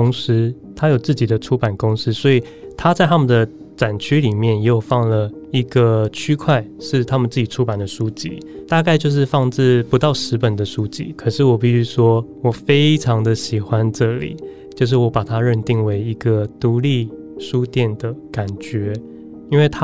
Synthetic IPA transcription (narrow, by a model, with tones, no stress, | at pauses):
ʊ˥ŋs̩˥ | t̪ʰa˥jo˨˩ʊt͡sɹ̩˥˩t͡ɕi˨˩d̪ə˦ʈ͡ʂʰu˥pa˨˩nkʊ˥ŋs̩˥swɔ˧˥i˨˩ | t̪ʰa˥t͡sa˥˩ɪt̪ʰa˥mə˨nd̪ə˩ | t͡sa˨˩nt͡ɕʰy˥li˨˩mjɛ˥˩njjo˨˩fɑ˥˩ŋlə˩ | i˧˥ɡə˧t͡ɕʰy˥kʰwa˥˧ɪʂɻ̩˥˩t̪ʰa˥mə˨nt͡sɹ̩˥˩t͡ɕi˨˩ʈ͡ʂʰu˥pa˨˩nd̪ə˩ʂu˦t͡ɕḭ˧˥˦t̪a˥˧ka˥˧ɪt͡ɕjo˥˧ʊʂ̬ɻ̩˥˧fɑ˥˧ŋt͡sɻ̩˥˩pu˧˥t̪ɑ˥˩ʊʂɻ̩˧˥pə˨˩nd̪ə˩˨ʂu˥t͡ɕḭ˥kʰɤ˨˩ʂɻ̩˥˩wɔ˨˩p̬i˥˩ɕy˥ʂwɔ˥wɔ˨˩fe˥ɪʈ͡ʂʰɑ˧˥ŋd̪ə˨ɕi˨˩xwa˦nʈ͡ʂɤ˥˩lḭ˨˩˦ | t͡ɕjo˥˧ʊʂ̬ɻ̩˥˩wɔ˧˥pa˨˩t̪ʰa˦ɻə˥˧nt̪i˥˩ŋwe˧˥ɪi˧˦ɡə˧t̪u˧˥li˥˩ | ʂu˦t̪jɛ˥˩nd̪ə˩ka˨˩nt͡ɕɥɛ˧˥˦ | i˥nwe˥˩ɪt̪ʰa˥